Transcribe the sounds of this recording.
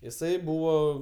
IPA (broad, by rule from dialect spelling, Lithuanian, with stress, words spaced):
jɪˈsɐɪ ˈbuːʋoː